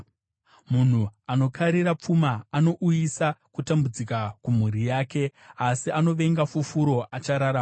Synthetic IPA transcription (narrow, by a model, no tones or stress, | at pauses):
mun̤uano̞kʰaɾiɾap͡fumaːno̞ʔujisakutambud͡zikakum̤uɾijaːke̞asiano̞ʋe̞ŋɡafufuɾo̞ʔat͡ʃaɾaɾaːm